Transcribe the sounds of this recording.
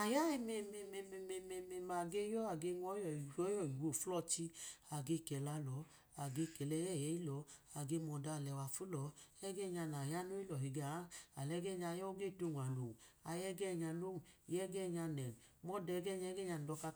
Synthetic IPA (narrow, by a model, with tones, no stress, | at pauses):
a˨ja˦i˨me˧˨me˧˨me˧˨me˧me˧me˧me˧ma˨ɡe˦jɔ˦a˨ɡe˧ŋʷɔ˦jɔ˨ɔ˦jɔ˨wo˨flɔ˧˨t͡ʃi˧a˨ɡe˧˨kɛ˨la˧lɔ˨˦ | a˨ɡe˧˨kɛ˨lɛ˧˦jɛ˦˨jɛ˨˦i˦lɔ˨˦a˨ɡe˧mɔ˨da˧˨lɛ˨wa˨fu˦lɔ˨˦ɛ˦ɡɛ˦˨ɲa˧na˨ja˦no˦i˦lɔ˨ɦi˨ɡa˨a˦a˨lɛ˧˦ɡɛ˦˨ɲa˧˨jɔ˦ɡe˦˨to˦˧˨nʷa˨lo˨ŋ˨a˧jɛ˦ɡɛ˦˨ɲa˧lo˦ŋ˨jɛ˦ɡɛ˦˨ɲa˧nɛ˨n˨mɔ˦dɛ˧˦ɡɛ˦˨ɲa˧˦ɡɛ˦ɲa˧n˨dɔ˧ka˧